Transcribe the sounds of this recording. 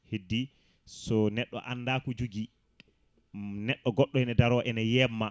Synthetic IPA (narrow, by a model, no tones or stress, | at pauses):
hedːi | sɔnɛɗːɔ̰ʔanːdakud͡ʒuɡi | nɛɗːɔɡɔɗːɔɛnɛdaɾɔʔɛnɛjɛmːa